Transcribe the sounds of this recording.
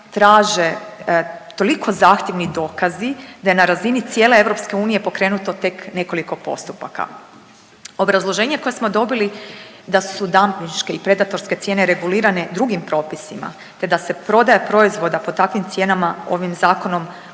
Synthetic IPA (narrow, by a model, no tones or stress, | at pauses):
t̪ɾaːʒe̞ | t̪o̞likʰo̞zaːxt̪ʲjeʋnid̪o̞ːkazid̪aje̞naɾazinit̪sjeːle̞e̞ʋɾo̞pske̞uːnije̞po̞kɾe̞ːnut̪o̞t̪e̞kne̞ko̞liko̞po̞̰st̪upa̰ka̰ | o̞bɾazlˠo̞ʒe̞ːɲeko̞jesmo̞d̪o̞bili | d̪asud̪ampinʃke̞ipɾe̞d̪at̪o̞ɾske̞t̪sje̞ːne̞ɾe̞ɡuliːɾane̞d̪ɾuɡimpɾo̞ːpisima̰ | t̪e̞d̪ase̞pɾo̞d̪ajepɾo̞izʋo̞d̪apo̞t̪akʋimt̪sje̞ːnamao̞̰ʋimzaːko̞no̞m